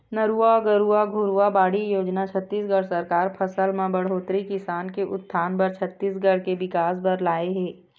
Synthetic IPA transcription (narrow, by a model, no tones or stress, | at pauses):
nəɾuːaɡəɾuaɡʱʊɾuabaːɽijoːd͡ʒnat͡ʃʰɐt̪ːiːs̬ɡəɽsɐɾkaːɾpʰɐsəlmãbɐɽ̤oːt̪ɾikɪsaːnkeʔʊt̪ːt̪ʰːaːnpɐɾt͡ʃʰɐt̪ːiːsɡɐɽ̤kebɪkaːs̬bɐɾlaːeɦɛ̃ː